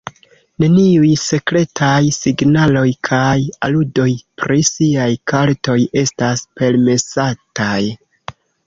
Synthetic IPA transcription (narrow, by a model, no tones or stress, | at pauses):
ne̞niujse̞kɾe̞tʰajsiɡnalo̞jkʰajaludo̞jpɾisiajkaɾto̞je̞staspe̞lme̞sataj